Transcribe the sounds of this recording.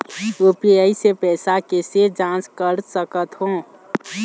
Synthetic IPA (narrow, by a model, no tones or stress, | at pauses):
opeəisepɛːsakesed͡ʒãːskəɾsəkət̪ɦõː